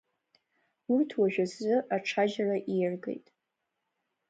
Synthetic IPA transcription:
urtʰwaʒᶣazzɨʔaʈ͡ʂʰaʒaraʔijrɡe̞̰jtʼ

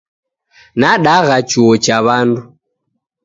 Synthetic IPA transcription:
naɗaɣat͡ʃuɔt͡ʃaβandu

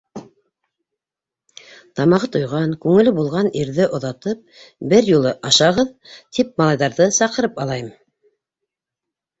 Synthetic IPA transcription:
t̪ɑmɑʁɤt̪ŏjʁɑŋkʉŋɘ̆lɘbulˠʁɑniɾðɘʔŏðɑt̪ɤp̚bɘɾjulˠɤʔɑʃɑʁɤðt̪ʰip̚mɑlˠɑjðɑɾðɤsɑqɤ̆ɾɤpɑlˠɑjɤm

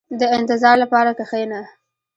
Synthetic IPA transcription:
d̪əɪnt̪ɪzɑɾlapɑɾakaxajna

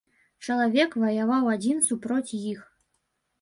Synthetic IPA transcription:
t͡ʃɐlˠavʲekvɐjavɑwad͡zʲinsupɾotʲjix

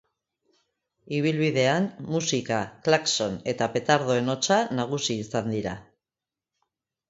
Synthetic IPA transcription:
iβ̞ilβið̞e̞anmusikaklakso̞ne̞t̪ape̞t̪aɾðo̞e̞no̞t͡sanaɣ̞usiːsand̪iɾa̰

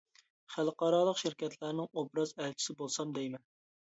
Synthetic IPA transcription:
χælqɑɾɑlˠəqʃɪɾkʲɛt̪ʰlæɾnɪŋobɾɑzɛlt͡ʃʰi̥sɪbolˠsɑmd̪ɛjmɛn

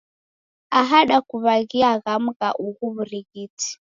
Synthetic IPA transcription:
aɦaɗakuβaɣiaɣam̩ɣaʔuɣuβuɾiɣiti̥

